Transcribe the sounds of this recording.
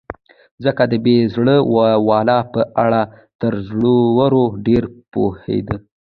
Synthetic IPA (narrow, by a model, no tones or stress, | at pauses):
zəkad̪əbezɽəwwɑlɑpəʔaɽa | t̪əɾzɽowaɾoɖeɾpohḛd̪ə